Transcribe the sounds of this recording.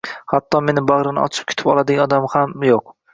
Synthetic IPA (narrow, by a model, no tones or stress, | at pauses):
hat̪ʰːɒme̞nɪbaʁɾɪnɪ̰ɒ̰t͡ʃʰɪ̥p̚kʰʊ̥t̪ʰɪ̥pɒlˠad̪ɪɡʲaɒd̪amhamjoq